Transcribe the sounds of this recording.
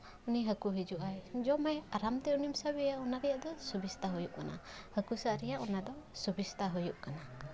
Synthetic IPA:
uniɦəkuɦid͡ʒuʔajd͡ʒɔmajaɾamt̪ɛunimsabijaʔɔnad̪ɛjaʔd̪ɔsubist̪aɦujuʔkana̰həkusaʔɾɛjaʔɔnad̪ɔsubist̪aɦujuʔkana

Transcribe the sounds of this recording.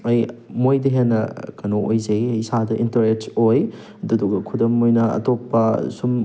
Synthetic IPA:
ɐjmojdɐɦenːɐkɐnoojzejjsadɐʔintɐɾetsoj | ɐduduɡɐkʰudɐmojnɐɐ̰topːɐsum

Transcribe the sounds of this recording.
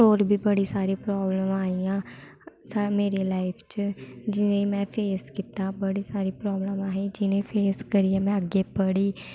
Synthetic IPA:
oːɾbʱiːbəɽisaːɾipɾɔːbləmaːijãː | sameːɾelaːɪpʰt͡ʃd͡ʒɪnẽmɛ̃ːpʰeːskit̪abəɽiːsaːɾipɾɔːbləmaːɦẽd͡ʒɪnẽpʰeːskəɾiɛmɛ̃əɡepəɽiː

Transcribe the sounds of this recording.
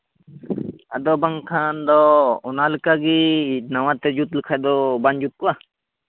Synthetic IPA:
a̰d̪ɔbaŋkʰand̪ɔɔnalɨkaɡinawat̪ɛd͡ʒut̪lɨkʰajd̪ɔband͡ʒut̪̚kɔa

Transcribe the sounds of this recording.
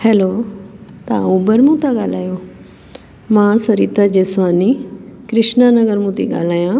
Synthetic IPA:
hɛːloːt̪ɐã̰uːbəɾmũt̪aɠaːl̤aːjoː | mãːsɐɾiːt̪ad͡ʑeːsʋaːnikɾɪʃnanɐɡəɾmũːt̪ʰḭɠa̰ːl̤aːjãː

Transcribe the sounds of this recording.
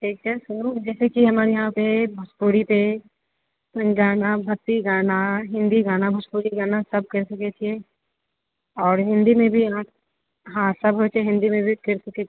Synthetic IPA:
ʈʰiːk̚sɐsʊnũd͡ʒɛːsekiɦɐməɾjɐɦãpebʱɐspuːɽipe | sɐ̃nd͡ʒaːnabʱɐt̪ːiɡaːnaɦɪ̃nd̪iɡaːnabʱɐspuːɽiɡaːnasɐb̚kɐɾsɐket͡ʃʰie | ɔːɾɦɪ̃nd̪imẽbʱiãːp̚ | ɦãsɐbɦoːt͡ʃʰeɦɪ̃nd̪imẽbʱikɐɾsɐke

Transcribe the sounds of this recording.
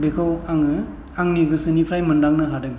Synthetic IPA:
bekʰɯwaŋɯ | aŋniɡɯsɯnipʰɾajmɯndaŋnɯɦadɯɡ

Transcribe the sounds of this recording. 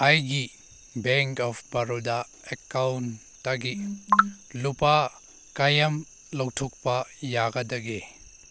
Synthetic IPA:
ajɡi | beŋkɔpʰbɐɾoda | ekawn | tːaɡi | lupa | kajɐm | lɐwtʰuk̚pɐjaɡɐdɐɡe

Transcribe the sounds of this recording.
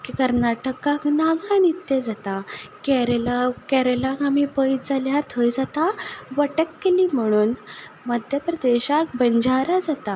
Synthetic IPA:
kikəɾnaʈəkãknaɡʱãnit̪ːed͡zat̪akɛɾelakɛɾelakamipəjd͡zaljaɾt̪ʰəjd͡zat̪aʋəʈəkːeliːm̤əɽ̃uːn | məd̪ʱjəpɾəd̪eɕak̚bəɲd͡ʑaɾad͡zat̪a

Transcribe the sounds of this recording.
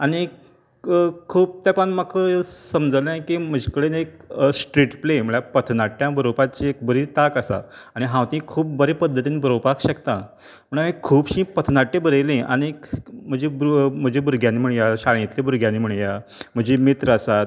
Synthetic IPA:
aɽ̃i | kʰuːp̚t̪japəɳmakʰəsəmd͡zəlnajkim̤əd͡ʑekəɽeneksʈɾiʈplem̤əɭjapət̪ʰnaʈjãbəɾopat͡ɕiek̚bəɾit̪akəsa̰ | aɽ̃iɦãwt̪ĩːkʰuːp̚bəɾepəd̪ʱːət̪iːnibəɾopakɕəkt̪ã | m̤əɳamikʰuːbɕĩːpət̪ʰnaʈːebəɾelẽa̰ɽ̃im̤əd͡ʑebm̤əd͡ʑebuɾɡjãniːm̤əɳjaɕaɭ̃ĩt̪lebuɾɡʱjãniːm̤əɳjam̤əd͡ʑemit̪ɾəəsat̪

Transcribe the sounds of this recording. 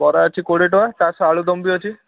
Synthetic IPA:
bɔɾaət͡ʃʰikoɽeʈɔʋat̪asɔaɭud̪ɔmbiɔt͡ʃʰi

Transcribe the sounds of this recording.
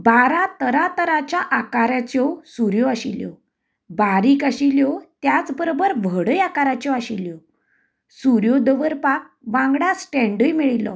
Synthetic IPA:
baɾat̪əɾat̪əɾat͡ɕjaʔakaɾat͡ɕjɔsuɾjɔaɕiljɔ̰ | baɾiːkaɕiljɔt̪jat͡sbəɾobəɾʋəɽəjakaɾat͡ɕjɔaɕiljɔ | suɾjɔd̪əʋəɾpak̚ʋãŋɡɽasʈɛ̃ɳɖəjmiɭilɔ̰

